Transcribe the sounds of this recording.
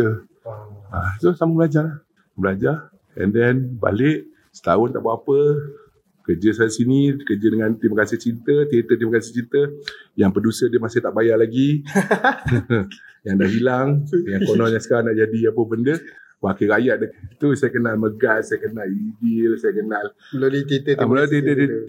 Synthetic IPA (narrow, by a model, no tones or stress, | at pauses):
ə | asosamabəlad͡ʒahlah | bəlad͡ʒa | ɛ̰ndɛnba̰lɪʔ | sə̥t̪aʊnt̪a̰ʔbapə | kərd͡ʒəsajasinikəd͡ʒədəŋãnt̪imakasiht͡ʃint̪ət̪iɾit̪ət̪imakasit͡ʃint̪əjaŋpədusədəmasɪht̪aʔbajaʔlaɡi | jaŋdahilaŋjaŋkonɔɲasə̥kaɾanaʔd͡ʒadiapəbəndə | wakəɾajaʔ̚dət̪usajəkənalməɡasajəkənalidɪlsajəkənaləlolit̪it̪ət̪məloit̪it̪ət̪i